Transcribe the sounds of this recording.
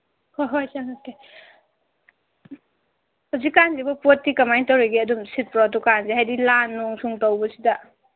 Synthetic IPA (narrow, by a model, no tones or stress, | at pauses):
hoɦojsaŋoke | hawzikːanzibɐpotːikɐmajntɐwɾeɡiɐdumsit̚pɾot̬ukanzeɦajdilanːɔŋsʰuŋtowbɐsidɐ